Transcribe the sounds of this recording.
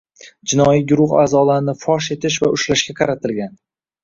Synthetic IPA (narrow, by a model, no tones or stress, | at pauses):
d͡ʒɪnɒiɡʲʊɾʊχa̰ːzɒlaɾɪnɪfɒʃe̞t̪ʰɪʃ̬vaʔʊʃlaʃkʲaqʰɑɾat̪ʰɪlɡʲan